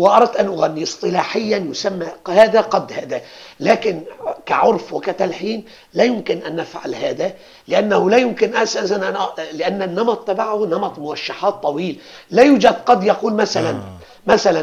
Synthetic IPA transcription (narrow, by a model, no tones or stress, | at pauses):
wɪʔɑɾˤɑd̪̚t̪ʔanʔʊɣænːisˤt̪ˤɨlɑːħɪjːanjʊsamːahaːd̪aqɑd̪ːhaːd̪ælæːkɪnkaʕʊɾˤfwɪkat̪alħiːn | læːjʊmkɪnʔænːafʕa̰lhaːd̪æ | lɪʔanːahʊlæjʊmkɪnʔasasanʔalɪʔanːanːɑmɑt̪ˤːabaʕhnɑmɑt̪ˤmʊɾɑʃːaħɑːt̪ˤːɑwiːl | læːjuːd͡ʒad̪qɑd̪jɑquːlmæθalan | mæθalæn